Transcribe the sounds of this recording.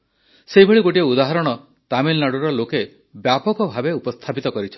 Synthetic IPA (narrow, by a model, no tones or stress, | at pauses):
seɦibʱeɭiɡoʈieud̪aɦɔɾɔɽ̃ɔ | t̪amilɔnaɽuɾɔloke | bjapɔkɔbʱabeupɔst̪ʰapit̪ɔkɔɾit͡ʃʰɔ̥n